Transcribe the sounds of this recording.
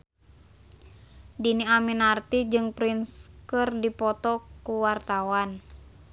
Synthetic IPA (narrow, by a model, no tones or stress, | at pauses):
diniaminart̪id͡ʒɨŋpɾinskɨrdipɔt̪ɔkuwart̪awan